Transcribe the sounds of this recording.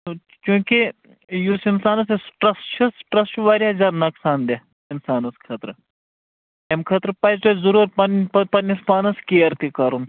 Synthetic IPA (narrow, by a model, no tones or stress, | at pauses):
t͡ʃũːki | jusinsaːnɐsesʈɾɐst͡ʃʰɐsʈɾɐst͡ʃuʋaːɾiɦɐzʲaːɾnɐksaːnd̪e | insaːnɐskʰɐt̪ɾ | emkʰɐt̪ɾpɐst̪ozɐɾuːɾpɐnpɐpɐnispaːnɐskiɐɾt̪ikɐɾun